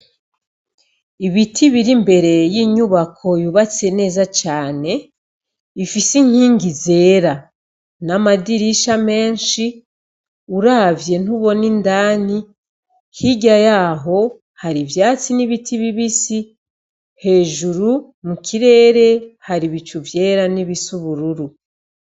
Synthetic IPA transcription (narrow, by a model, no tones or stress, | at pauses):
iβitʰiβiɾimbe̞ɾe̞jiːɲuβakʰo̞juβat͡se̞ne̞ːzat͡ʃaːne̞ | ifisiŋ̥iːŋɡize̞ːɾa | namadiɾiʃame̞ːnʃi | uɾavje̞n̥uβo̞nindaːni | hiɟajaːɦo̞ | haɾivjaːt͡siniβitʰiβiβisi | he̞ːʒuɾu | mukʰiɾe̞ːɾe̞haɾiβit͡ʃuvje̞ːɾaniβisuβuɾuɾu